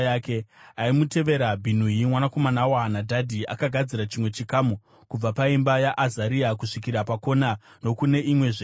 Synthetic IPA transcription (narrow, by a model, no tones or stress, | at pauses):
ake̞aimute̞ʋe̞ɾabʱin̤uimwanako̞manawanadʱadʱia̰kaɡʱad͡ziɾat͡ʃimwe̞t͡ʃikaːmu | kub͡vapaimbajaʔazaɾiakuʂikiɾapako̞na | no̞kune̞ʔimwe̞ʐe